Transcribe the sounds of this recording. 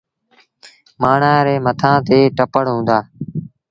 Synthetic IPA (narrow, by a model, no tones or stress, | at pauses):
maːɳ̤ãːɾeːmət̪ʰãːt̪eːʈəpəɽɦũːnd̪aː